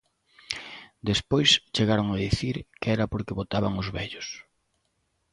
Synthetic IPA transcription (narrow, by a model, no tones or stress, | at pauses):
d̪espojst͡ʃeɣaɾoŋaðiθiɾkɛɾɐpoɾkɪβot̪aβaŋʊzβɛʎʊs